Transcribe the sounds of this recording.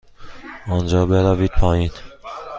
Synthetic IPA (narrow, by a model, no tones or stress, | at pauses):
ɔnd͡ʒɒːbeɾæviːd̪̥̚pʰɒːjin